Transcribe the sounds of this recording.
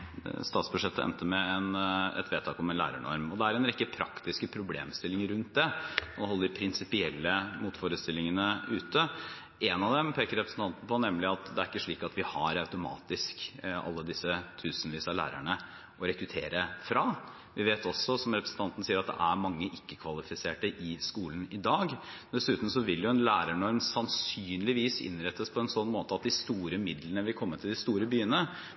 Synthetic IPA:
st̪ɑːt̪sbʉʂɛt̪ːəɛ̰nt̪əmɛɛnɛ̰t̪ʋeːt̪ʰɑːkɔmɛnlæ̰ːɾæ̰ɳɔ̰ɾmɔd̪ɛæɾɛnɾɪkːəpʰɾɑ̰kt̪ɪskəpʰɾʊblḛːmst̪ɪlːɪŋəɾʉnt̪̚d̪ɛɔhɔlːəd̪ɪpʰɾɪnsɪpɪɛlːəmuːt̪foːɾəst̪ɪlːɪŋənəʉːt̪ə | ʔɛnɑʋd̪ɛmpʰeːkəɾɛpɾəsn̩t̪ʰɑnt̪n̩pʰɔnɛmːlɪɑt̪d̪ɛæɾɪkːəʂɭiːkɑt̪ʋɪhɑɾɑʉt̪ʊmɑ̰ːt̪ɪskɑ̰lːəd̪ɪsːət̪ʰʉːsnʋiːsɑlæ̰ːɾæ̰ɳə | ʔɔɾɛkɾʉt̪ʰeːɾəfɾɑ | ʋɪʋeːt̪ɔsːɔsɔmɾɛpɾəsn̩t̪ɑnt̪n̩siːəɾɑt̪d̪ɛ̰ʔæɾmɑŋːəʔɪkːəkʰʋɑlɪfɪseːʈəʔɪskuːlnɪd̪ɑːɡ | d̪ɛsʉːt̪n̩sɔʋɪljʊɛnlæːɾəɳɔɾmsɑnsyːnlɪʋiːsɪ̰nɾɛt̪ʰːəspʰɔɛnsɔnːmoːt̪əɑt̪̚d̪ɪst̪uːɾəmɪd̪lənəʋɪlkʰɔmːəʈ̪ʰɪld̪ɪst̪uːɾəbyːənə

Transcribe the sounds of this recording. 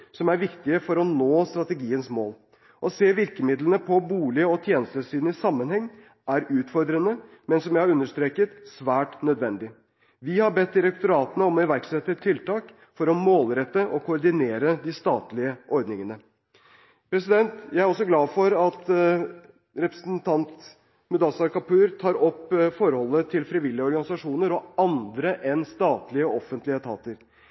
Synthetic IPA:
sɔmæɾʋɪkt̪ɪəfɔɾɔnoːst̪ɾɑt̪əɡiːənsmoːl | ʔɔseːʋɪɾkəmɪd̪lənəpʰɔbuːlɪəɔt̪ʰjeːnəst̪əʂiːd̪n̩ɪsɑmːənhɛŋː | æɾʉːt̪fɔɾd̪ɾənəmɛnsɔmjæɪhɑɾʉnːəʂt̪ɾeːkət̪sʋæːʈnœd̪ʋɛnd̪ɪ | ʋɪhɑɾbɛt̪̚d̪ɪɾɛk̚t̪ʊɾɑːt̪ənəɔmɔɪʋæɾksɛt̪ːət̪ʰːɪlt̪ɑːk | fɔɾɔmoːlɾɛt̪ːəʔɔkʰʊɔɾɖ̪ɪneːɾəd̪ɪst̪ɑːt̪lɪəʔɔɾd̪nɪŋənə | pʰɾɛsɪd̪ɛnt̪jæɪæɾɔs̬ɔɡlɑːfɔɾɑt̪ | ɾɛpɾə̥sn̩t̪ʰɑnt̪ | mʉd̪ɑsɑkɑpʉːɾt̪ʰɑːɾɔpːfɔɾhɔlːət̪ʰɪlfɾɪʋɪlːjəɔɾɡɑnɪsɑʂuːnəɾɔɑnd̪ɾəʔɛnst̪ɑːt̪lɪəɔfənt̪lɪət̪ʰɑ̰ːt̪əɾ

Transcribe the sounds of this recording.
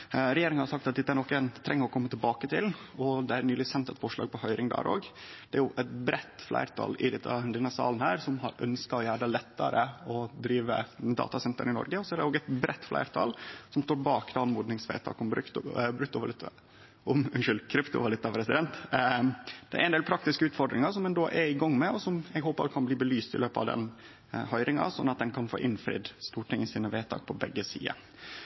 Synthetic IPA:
ɾɛjeːɾɪŋənhɑɾsɑk̚t̪ɑt̪̚d̪ɛt̪ːəæɾnɔkːɛnt̪ʰɾɛŋːəɾɔkʰɔmːət̪ʰɪlbɑːkət̪ʰɪlɔd̪ɛæɾnyːlɪsɛnt̪ɛt̪fɔʂɭɑ̰ːɡ̚pʰɔhœʏɾɪŋd̪ɑ̰ːɾo̰ːɡd̪̥ɛæɾjʊʔɛt̪bɾɛt̪ːflæ̰ɪɾt̪ʰɑ̰ːlɪ̰d̪ɛt̪ːɑ̰d̪ɛnːɑsɑ̰ːlnhæːɾsɔmhɑɾœ̰nskɑɔjæːɖɑlɛt̪ːɑɾəɔd̪ɾiːʋə̰ɛd̪ɑ̰ːt̪ɑsɛnt̪ə̰nɪnɔ̰ɾɡəɔsɔæɾɖɛoːɡɛt̪bɾɛt̪ːflæ̰ɪɾt̪ʰɑ̰lsɔmst̪oːɾbɑːkd̪ɑnmuːd̪nɪŋsʋæ̰ɪt̪ʰɑ̰ːkɔmbɾkt̪bɾʉk̚t̪ʊʋɑlɪt̪ː | ɔmɛnʃʏlkʰɾɪpt̪ʊʋɑlɪt̪ːɑpʰɾɛsɪd̪ɛnt̪ | d̪ɛæ̰ɾɛnd̪eːlpʰɾɑk̚t̪ɪskəʉːt̪fɔɾɖɾɪŋɑʂɔmːɛnd̪oːʔɛɾɪɡɑŋːmɛɔsɔmɛɡhoːpəɾkʰɑnbliːbəlyːst̪ɪ̰løːpəɑ̰ʋd̪ɛ̰n | hœʏɾɪŋɑ̰sɔnːɑt̪̚d̪ɛnkʰɑnfo̰ːʔɪnfɾɪ̰d̪st̪uːʈɪŋːənsiːnəʋæːt̪ʰɑ̰ːk̚pʰɔbɛ̰ɡːəsḭːə̰

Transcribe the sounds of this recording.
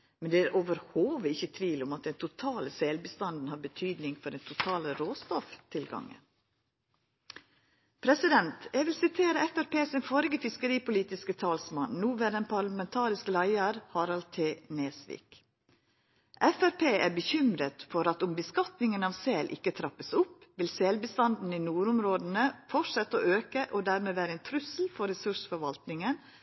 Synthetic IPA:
mɛnd̪ɛæːɾʔoːʋəɾhoːʋəɪçːət̪ʰʋiːlʊmɑt̪̚d̪ɛnt̪ʰʊt̪ʰɑːləselbəst̪ɑnd̪n̩hɑːɾbət̪ʰyːd̪nɪŋfɔɾd̪ɛnt̪ʰʊt̪ʰɑːləɾoːst̪ɔft̪ʰɪlɡɑ̰ŋːə̰ | pʰɾɛsɪd̪ɛnt̪ɛɡʋɪlsɪt̪ʰeːɾəɛfæɾpeːsɪnfɔɾɪɡəfɪskəɾiːpʊliːt̪ɪskət̪ʰɑːlsmɑnnuːʋæːɾɛnpʰɑlɑmɛnt̪ʰɑːɾɪsklæɪəɾhɑːɾɑlt̪ʰeːneːsʋḭːk | ʔɛfæɾpʰeːʔæːɾbəçʏmɾət̪fɔɾɑt̪ʊmbəskɑt̪nɪŋənɑːʋseːlʔɪ̰kːət̪ʰɾɑpːəsʊpʋɪlsɛlbəst̪ɑnd̪n̩iːnuːɾʊmɾoːd̪ən̩əfɔʈʂɛt̪ːəoːʔøːkəʔoːd̪æːɾmeːʋæːɾəɛnt̪ʰɾʉsl̩fɔɾɛsʉʂfɔɾʋɑlt̪nɪŋən

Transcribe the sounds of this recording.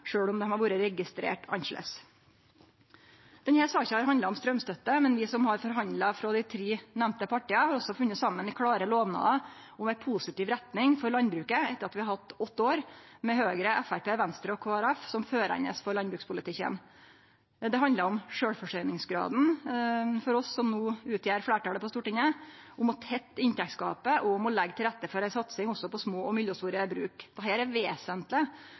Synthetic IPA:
ʂøːɽɔmd̪ɛmhɑɾʋuːɾəɾɛɡɪst̪ɾḛːʈʰɑ̰nʃlɛ̰s | d̪̥ɛnhæɾsɑːçəhɑɾɦɑnd̪lɑɔmst̪ɾœmst̪œt̪ːəmɛnʋɪsɔmhɑɾfɔɾɦɑnd̪lɑfɾɔːd̪ɪt̪ʰɾiːnɛmnt̪əpʰɑʈɪːəhɑɾɔsːɔfʉnːət̪sɑmːənɪkʰɽɑːɾəloːʋnɑ̰ːə | ɔmæɪpʰusɪt̪iːʋɾɛt̪nɪŋfɔɾɭɑnbɾʉːkəɛt̪ːəɾɑt̪ʋɪhɑɾhɑt̪ːɔt̪ːoːɾmɛhøːɡɾəɛfæɾpeːʋɛnst̪ɾəɔkʰoːæɾæfsɔmføːɾæ̰ɪnə̰sfɔɾlɑnbɾʉːkspʰʊlɪt̪ʰɪkːə̰n | d̪ɛɦɑnd̪əɾɔmʂøːɽfɔʂœʏnɪŋsɡɾɑ̰ːd̪n̩ | fɔɾɔsːɔmnuːʉːt̪ʰjæːɾflæːʈɑːləpɔst̪uːʈɪŋːəʔʊmɔt̪ʰɛt̪ːɪnt̪ʰɛkt̪skɑːpəʔɔʊmɔlɛɡːt̪ʰɪlɾæt̪ːəfɔɾæsɑt̪sɪŋɔsːɔpɔsmoːɔmʏljəst̪uːɾəbɾʉ̰ːkd̪̥ɛɦæːɾæʋeːsənt̪lɪ

